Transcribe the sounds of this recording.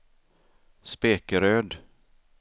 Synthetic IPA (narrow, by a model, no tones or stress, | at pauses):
speːkəɾøːd̪